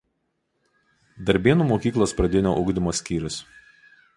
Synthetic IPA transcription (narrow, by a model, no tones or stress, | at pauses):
d̪ɐɾʲbʲeːnuːmoːkʲiːklˠoːspɾɐd̪ʲɪnʲo̰ːʔʊɡd̪ʲɪmoːsʲkʲiːɾʲʊs